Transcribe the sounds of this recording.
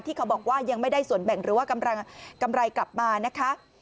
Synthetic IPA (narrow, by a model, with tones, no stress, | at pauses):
t̪ʰiː˥˩kʰa˦˥wbɔː˨˩k̚waː˥˩ja˧ŋma˥˩jdaː˥˩jsu˨˩˦ənbɛ˨˩ŋɾɯː˨˩˦waː˥˩ka˧mɾa˧ka˧mɾa˧jkla˨˩p̚maː˧na˦˥kʰa˦˥